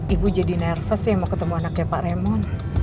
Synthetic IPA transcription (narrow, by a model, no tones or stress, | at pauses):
ibud͡ʒadinɛrfəsɛmɔkət̪əmuanakjapaʔɾemɔn